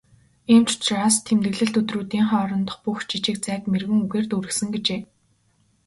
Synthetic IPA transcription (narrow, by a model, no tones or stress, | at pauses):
iːmt͡ɕʰʊ̥t͡ɕraːst̪ʰemt̪ɘ̆ɣɮɘ̆ɬt̪ɵt̪ruːt̪iːŋχɔːɾɞ̆nt̪ɞ̥̆χpuxt͡ɕit͡ɕɪ̆k̚t͡sæːkmerɣɘ̆ŋuɣeːrt̪uɾɘ̆xsɘ̆ŋɡet͡ɕeː